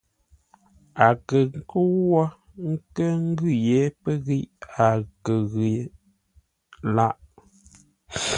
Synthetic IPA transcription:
a˨kə˨ŋ˦kə˦wɔ˦ | ŋ̩˦kə˦ŋ̩˦ɡʉ˦˨je˨˦pə˦ɣi˦ʔa˨kə˨ɣi˨ | la˦ʔ

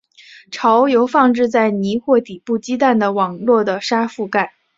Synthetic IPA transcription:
ʈ͡ʂʰɑ˧˥ʊjo˧˥ʊfɑ˥˧ŋʈ͡ʂɻ̩˥˧t͡sa˥˩ɪni˧˥xwɔ˥˩t̪i˨˩pu˥˩t͡ɕi˥t̪a˥˩nd̪ə˩wɑ˨˩ŋlwɔ˥˩d̪ə˩ʂa˥fu˥˧ka˥˩ɪ

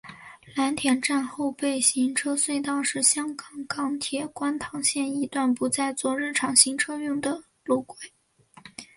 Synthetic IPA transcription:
la˧˥nt̪ʰjɛ˧˥nʈ͡ʂa˥˧nxo˥˧ʊpe˥˩ɪɕi˧˥ŋʈ͡ʂʰɤ˥swe˥˧ɪt̪ɑ˥˧ʊʂɻ̩˥˩ɕjɑ˥ŋkɑ˨˩ŋkɑ˧˥ŋt̪ʰjɛ˥˩kwa˥nt̪ʰɑ˧˥ŋɕjɛ˥˩ni˧˥t̪wa˥˩npu˧˥t͡sa˥˧ɪt͡swɔ˥˧ɻə˥˩nʈ͡ʂʰɑ˧˥ŋɕi˧˥ŋʈ͡ʂʰɤ˥jʊ˥˩ŋd̪ə˩ | lu˥˩kwe˨˩˦ɪ

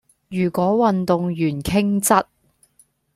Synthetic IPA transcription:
jyː˨˩kʷɔː˨˥wɐ˨nt̪ʊ˨ŋjyː˨˩nkʰɪ˥ŋt͡sɐ˥t̚

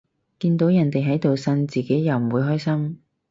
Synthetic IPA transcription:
kiː˧nt̪o˨˥wjɐ˨˩nt̪e˨jɦɐ˨˥jt̪o˨wsɐ˧nt͡siː˨˩ke˨˥jjɐ˨wm̩˨˩wuː˨˧jɦɔː˥jsɐ˥ŋ

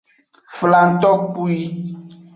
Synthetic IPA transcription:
fla˨n̩˦t̪ɔ˦ku˦i˦

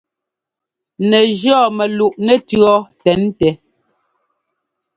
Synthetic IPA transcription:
nɛ˨d͡ʒɔ˦˨mɛ˨lu˨ʔnɛ˦tɰɔ˦tɛ˨˦n˦tɛ˨

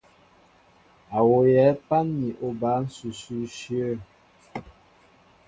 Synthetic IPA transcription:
a˨wo˨jɛ˨˦pa˦nːi˨ʔo˦˨ba˨˦n̩˦su˨su˦ʃjə˦˨

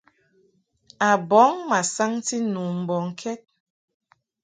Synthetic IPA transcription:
a˨bɔ˨˦ŋma˨sa˦ŋti˦nu˨m̩˨bɔ˨ŋ̩˨kʰɛ˦t̚

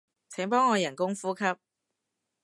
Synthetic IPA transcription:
t͡sʰɛː˨˥ŋpɔː˥ŋːɔː˨˧jɐ˨˩nkʊ˥ŋfuː˥kʰɐ˥p̚

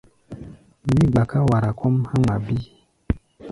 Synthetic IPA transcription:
mi˦ɡ͡ba˨ka˦wa˨ɾa˨kɔ˦mha˦ma˨bi˦

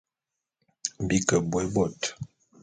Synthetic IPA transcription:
bi˦kə˨bwɛ˨˦bɔ˦˨t

